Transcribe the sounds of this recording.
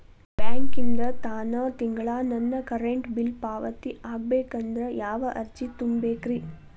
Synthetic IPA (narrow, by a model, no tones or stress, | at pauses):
b̥jaːŋkind̪ɾɐt̪aːnɐt̪iŋɡɐɭaːnɐnːɐkɐɾeɳʈbilpaːʋɐt̪iʔaːɡ̚beːkɐnd̪ɾɐjaːʋɐʔɐɾt͡ʃit̪umbeːkɾi